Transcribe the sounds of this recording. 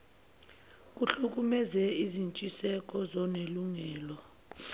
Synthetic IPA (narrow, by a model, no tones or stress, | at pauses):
k̬ʼuɬuk̬ʼumɛzɛizint͡ʃʼisɛk̬ʼɔzɔneluŋɛːlɔ